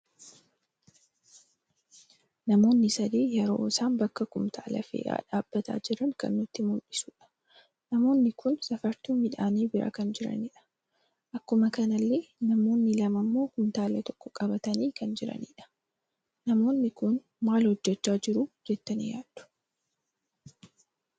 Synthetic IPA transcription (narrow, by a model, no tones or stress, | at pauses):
nɐmo̞ːnːɪsɐd̪iːjɛɾo̞ːɪsaːnbɐkːɐkʊmt̪ʰa̰ːlɐ̰fḛːʔa̰ːᶑa̰ːb̥ːɐt̪ʰa̰ːd͡ʒɪɾɐŋkɐ̰nːʊt̪ːɪmʊlʔɪsuːᶑɐ̥ | nɐmo̞ːnːɪkʊnsɐfɐɾt̪uːmɪᶑaːniːbɪɾa̰kɐnd͡ʒɪɾɐ̰nɪᶑɐ̥ | ʔɐkːʊmɐkɐnɐlːeːnɐmo̞ːnːɪlɐmɐmːo̞ːkʊmt̪aːlɐt̪ɔ̥kːɔ̥kʼɐbɐt̪ɐniːkɐnd͡ʒɪɾɐ̰nḭːᶑɐ̥ | nɐmo̞ːnːɪkʊn | maːlhɔd͡ʒːɛt͡ʃːaːd͡ʒɪɾud͡ʒɛt̪ːɐnḭːjaːd̪̥ʊ̥